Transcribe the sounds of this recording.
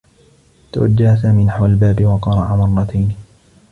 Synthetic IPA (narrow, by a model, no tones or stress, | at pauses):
t̪a̰wa̰d͡ʒːahas̬aːmiːnaħwalbaːbɪwɑqɑɾˤɑʕamɑrˤːɑt̪ʰajn